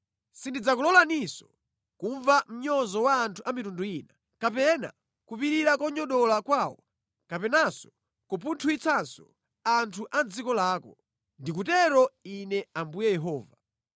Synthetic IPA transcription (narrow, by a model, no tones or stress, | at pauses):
sindid͡zakulɔlanisɔ̥ | kuɱvam̩ɲɔzɔwaːntʰuʔamitunduina | kapɛna̰ | kupiɾiɾakɔɲɔɗɔlakwaːwɔ̰ | kapɛnasɔ̥ | kɔp̬untʰuit͡sʰansɔ | antʰuʔand͡zikɔlaːkɔ | ndik̬utɛɾɔinɛambujɛjɛɦɔːva